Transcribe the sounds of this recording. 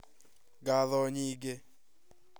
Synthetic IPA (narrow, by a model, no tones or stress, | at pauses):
k̬aðɔɲiːk̬ɛ